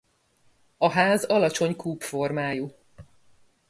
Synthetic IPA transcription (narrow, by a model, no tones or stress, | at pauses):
ɒɦaːzɒlɒt͡ʃo̞ɲkuːpfo̞rmaːju